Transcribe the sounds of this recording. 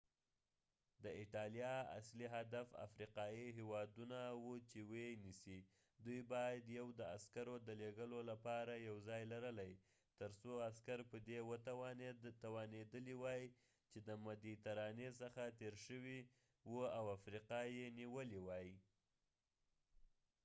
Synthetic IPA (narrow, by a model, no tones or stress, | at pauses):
d̪əiʈɑljɑa̰sliɦad̪afa̰fɾiqɑjiɦewɑd̪unawut͡ʃewenisi | d̪ujbɑjad̪jawd̪əaskaɾod̪əleɡəlolapɑɾajawzɑjlaɾəlaj | t̪əɾt͡soaskaɾpəd̪ewət̪t̪awɑned̪əliwɑji | t͡ʃed̪əmad̪it̪aɾɑnes̬əxat̪eɾʃəwi | wuawafɾiqɑjeniwəliwɑji